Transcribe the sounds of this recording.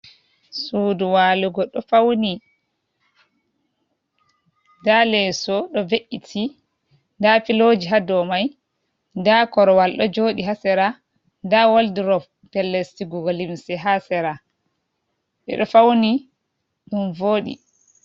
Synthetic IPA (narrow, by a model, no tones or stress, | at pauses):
suːduwaːluɡɔɗɔfawni | dalɛsɔɗɔveʔːitʰi | ndafilod͡ʒiɦadɔmaj | ndakɔɾɔwalɗɔd͡ʒoːɗiɦasɛɾa | ndawoldiɾɔ | pɛlːestiɡuɡɔlimsɛɦasɛɾa | ɓɛ̰ɗɔfawni | ɗunvoːɗḭ